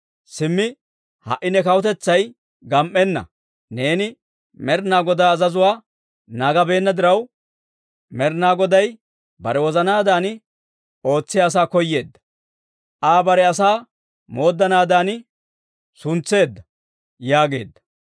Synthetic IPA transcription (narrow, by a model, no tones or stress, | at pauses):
sɪmːɪ | hɐ̰ʔːɪnɛkɐwɔt̪ɛt͡sːɐj | ɡɐmʔːɛnːɐ̰ | ne̞ːnɪ | mɛɾnaːɡɔd̪aːzɐzʊwaː | naːɡɐbe̞ːnːɐd̪ɪɾɐw | mɛɾnaːɡɔd̪ɐj | bɐɾɛwɔzɐnaːd̪aːnɪ | o̞ːt͡sːɪjaːs̬aːkɔjːe̞ːd̪ːɐ̥ | ʔaːbɐɾɛɐsaː | mo̞ːd̪ːɐnaːd̪aːnɪ | sʊnt͡sːe̞ːd̪ːɐ | jaːɡe̞̰ːd̪ːɐ̥